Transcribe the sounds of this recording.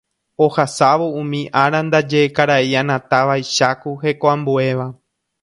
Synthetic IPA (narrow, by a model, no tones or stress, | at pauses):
o̞hasaʋoũmĩʔaɾand̪ad͡ʒeːkaɾaiãnãt̪aʋajʃakuhe̞koãmbue̞ʋa